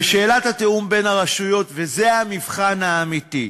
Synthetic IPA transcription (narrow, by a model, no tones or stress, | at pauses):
ʃe̞ːlat̪hat̪eumbe̞naʁaʃujo̞t̪vezeamivχanaːmit̪i